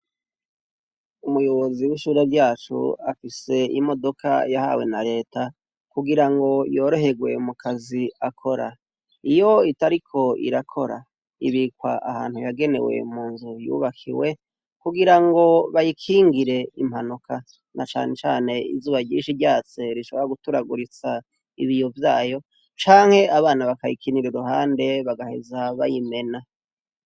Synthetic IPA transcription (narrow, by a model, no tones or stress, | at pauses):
umujo̞βo̞ziwiʃuːɾabɟaːt͡ʃṵafise̞imo̞do̞kʰa̰jaha̰we̞̰naɾe̞ːta | kuɡiɾaŋɡo̞jo̞ːɾo̞ɦe̞ɡwe̞̰mukʰaziakʰoɾa | ijo̞itaɾikʰo̞ḭɾakʰo̞ɾa̰ | iβikwa̰ʔahaːn̥hujaɡe̞ne̞̰we̞̰muːnzujṵβakʰḭwe̞ | kuɡiɾaŋɡo̞βajikʰiːŋɡiɾe̞im̥hanukʰa | nat͡ʃa̰ːne̞t͡ʃaːne̞ḭzuːβaɟiːnʃiɾɟaːt͡se̞ɾiʃo̞βoɾaɡutuɾaɡuɾit͡sa | iβijo̞vjaːjo̞ | t͡ʃaːŋhe̞ʔaβaːnaβakajikʰiniɾoɾuhaːnde̞βaɡahe̞̰zaβajime̞na